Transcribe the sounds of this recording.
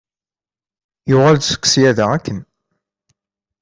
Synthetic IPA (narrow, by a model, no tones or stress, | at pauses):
jʊʁald̪sə̥kːsjæðæækːən